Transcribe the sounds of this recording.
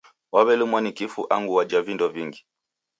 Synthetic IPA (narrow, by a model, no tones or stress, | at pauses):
waβɛlumwanikifuʔaŋɡuwad͡ʒavindɔviŋɡi